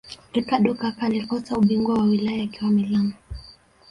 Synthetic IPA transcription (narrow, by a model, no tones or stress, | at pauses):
rikaɗɔkakaːlikɔtauɓiŋɡwawawilajaːkiwamilamu